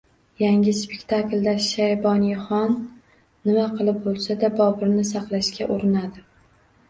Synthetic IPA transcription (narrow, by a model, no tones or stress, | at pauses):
jaŋʲɪspekʲt̪ʰaklʲd̪aʃajbɒnjχɒnː | ɪmaqʰɨlˠɪp̚bolˠsad̪abɒbɪɾnɪsɑqlˠaʃkʲaʔoɾɪnad̪ɪ